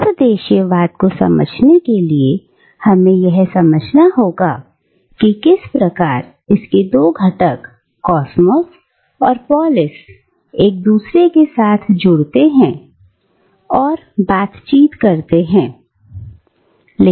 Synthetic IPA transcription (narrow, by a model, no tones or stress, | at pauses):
pɾəd̪eːʃijəʋaːt̪̚kosɐ̰mə̰d͡ʒʱnekelie | hɐmẽjɛɦsɐməd͡ʒʱnaɦoːɡa̰ | kikɪspɾɐkaːɾ | ɪsked̪oːɡʱɐʈəkː | ɔːsməs | ɔːɾpɔːlɪs | eːk̚d̪uːsɾekesaːt̪ʰd͡ʒʊɽt̪eɦɛ̃ | ɔːɾ | baːt̪t͡ʃiːt̪kɐɾt̪eɦɛ̃ː | le